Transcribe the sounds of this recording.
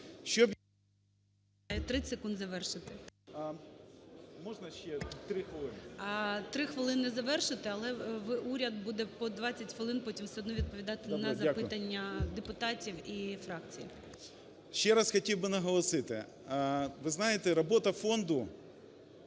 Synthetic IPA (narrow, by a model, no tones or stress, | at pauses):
ʃt͡ʃɔb | jɛt̪ɾɪsekund̪zɐʋɛrʃɪt̪ɪ | mɔʒnɐʃʲt͡ʃɛt̪ɾɪxʋlˠɪnt̪ɾɪxʋɪlˠɪnɪzɐʋɛrʃɪt̪ɪɐlˠɛʋɪʔuɾʲɐd̪̚bud̪ɛpɔd̪ʋɑt͡sʲːɐtʲxʋɪlˠɪnpɔtʲimsʲɛɔd̪nɔʋʲid̪̚pɔʋʲid̪ɑt̪ɪnɐzɐpɪt̪ɐnʲːɐd̪epʊt̪ɑtʲiwifɾɑk̚t͡sʲijḭ | ʃt͡ʃɛɾasxɔtʲiwbɪnɐɦɔlˠɔsɪt̪ɪ̰ | ʋɪznɑjet̪ɛɾɔbɔt̪ɐfɔnd̪ʊ